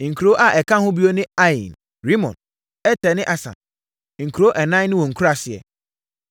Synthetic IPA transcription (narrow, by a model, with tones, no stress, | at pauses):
ŋ̩˨kʰu˨ɾo˦ʔa˦˨ʔɛ˨kʰã˦hʊ̃˦bi˦o˦nɪ̃˦a˦ḭ̃˨n | ɾi˦mɔ̰̃˨n | ɛ˦tʰɛ˨nɪ̃˦ʔa˨sã̰˨n | ŋ̩˨kʰu˨ɾo˦ʔɛ˨nã˦nɪ̃˦wɔ̃˨ŋ̩˨kʰu˦a˨sɪ˨ɛ̰˨